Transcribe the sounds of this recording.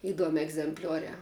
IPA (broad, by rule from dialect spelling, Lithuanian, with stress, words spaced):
ɪˈduɔmʲɪ ɛɡzʲɛmʲˈpʲlʲuɔrʲæː